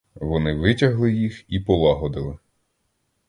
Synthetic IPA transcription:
ʋɔnɪʋɪtʲɐɦlˠɪjixipɔlˠɑɦɔd̪ɪlˠɪ

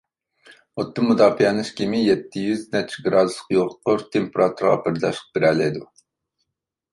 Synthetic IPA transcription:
ot̪ːɨmːud̪ɑːfijɛnɨʃkʲʰimɪjɛt̪ʰːɪjyznɛt͡ʃʰɡɾɑːd̪usqjoʁqʰoɾt̪ʰempeɾɑt̪ʰuɾʁɑ̰pɪɾd̪ɑ̰ʃq̚b̥ɪɾɛlɛjd̪u

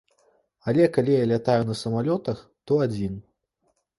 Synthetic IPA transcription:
alʲɛkalʲijalʲat̪ajunɐsɐmalʲɔt̪ɐxt̪ɔad͡zʲin

